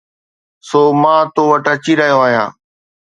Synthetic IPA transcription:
soːmãːt̪oːʋəʈət͡ɕiɾɐɦijoaːɦijã̰ː

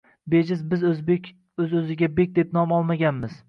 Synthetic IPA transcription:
bed͡ʒɪzbɪzzbekʲ | ɵzɵzɪɡʲabek̚ʲd̪e̞p̚nɒmɒlˠmaɡʲanmɪz̥

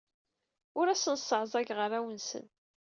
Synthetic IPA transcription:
ʊɾæsənsːəʕzˤæʝʁəɾæwənsə̰n

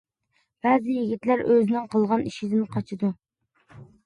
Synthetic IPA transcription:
b̥æzɪjiɡʲit̪læɾʔøzɪnɪŋqʰəlˠʁɑniʃizɪnɨqʰɑt͡ʃʰɨd̪u

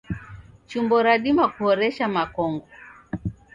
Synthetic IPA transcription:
t͡ʃumbɔɾaɗimakuhɔɾɛʃamakɔŋɡɔ

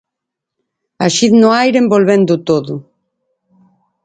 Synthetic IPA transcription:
aʃiðnoajɾembolβend̪ut̪oðu

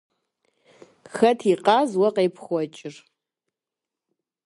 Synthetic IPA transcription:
xɐtʰiqʼaːzwɐqʼejpʰχʷɔt͡ʃʼɪr

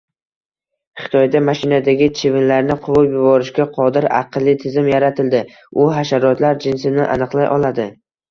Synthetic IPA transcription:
χɪ̥t̪ʰɒjd̪amaʃɪnad̪aɡʲɪt͡ʃʰɪvɪnlaɾnɪqʰʊɾʊpjʊbɒɾɪʃkʲaqʰɒd̪ɪɾɑ̰qʰlˠːɪt̪ʰɪzɪmjaɾat̪ʰɪld̪ɪ | ʊɦaʃaɾɒt̪laɾd͡ʒɪnsɪnɪʔa̰nɨqlˠajʔɒlˠad̪ɪ

